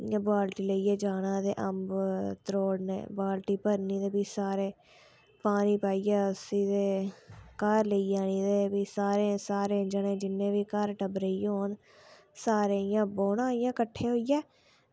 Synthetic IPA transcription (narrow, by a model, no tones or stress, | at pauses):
jãːbaːlʈiːləiːɛːd͡ʒaːnãːd̪eːʔəmbt̪ɾoːɽnḛ̃ːbaːlʈiːpəɾniːd̪eːbiːsaːɾeː | paːniːpaːijɛːsiːd̪eːkaɾləiːaːniːd̪eːbiːsaːɾẽːsaːɾẽːd͡ʒənẽːd͡ʒɪnːẽːʋiːkəɾʈəbɾeiːɦoːn | saːɾeːjãːboːnãːɪjãːkəʈʰːeːɦoːijɛː